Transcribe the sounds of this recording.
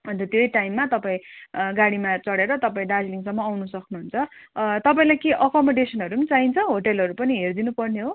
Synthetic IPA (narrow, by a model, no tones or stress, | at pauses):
ʌnt̪ʌt̪jojʈajmːat̪ʌpaĩɡaɽimat͡sʌɽeɾʌt̪ʌpaĩɖad͡zliŋsʌmːʌːwnusʌknuɦunt͡sʰʌt̪ʌpaĩlajkeʔʌkʌmʌɖesʌnɦʌɾumt͡saɦint͡sʰʌɦoʈelɦʌɾupʌniɦerd̪inupʌrneɦo